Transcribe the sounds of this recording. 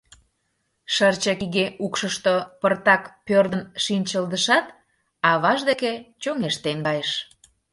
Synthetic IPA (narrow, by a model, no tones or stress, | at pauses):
ʃərt͡ɕɑkiɣeʔukʃəʃt̪opərt̪ɑkpørd̪ənʃinʲt͡ɕəld̪əʃɑt̪ | ɑβɑʒd̪eket͡ɕoŋeʃt̪enɡɑjeʃ